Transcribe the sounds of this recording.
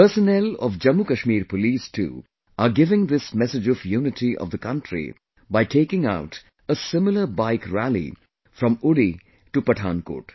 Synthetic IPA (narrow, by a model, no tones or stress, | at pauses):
pəɾsənɛlɔ̰ʋd͡ʒɐmːukɐʃmiːɾpoliːsʈʰṵː | aɾɡɪʋɪ̃ŋd̪ɪsmɛsɪd͡ʒɔfjuːnɪʈʰiʔɔ̰ʋd̪əkʌ̃ɳʈɾḭ | baɪʈʰeːkɪ̃ŋaʊʈ | əsɪmɪləɾbaɪkɾælḭ | fɾɔ̃mʊɽi | ʈupəʈʰãːnko̰ːʈ